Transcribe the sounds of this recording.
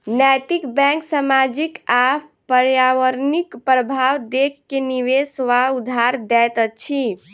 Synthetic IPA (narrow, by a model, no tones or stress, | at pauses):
nɛʈikbɛ̃ksamad͡ʒikapəɾjaʋəɾnikpɾəbʱawd̪ekʰːeniwesʋaud̪ʱaɾd̪ɛt̪ət͡ʃʰi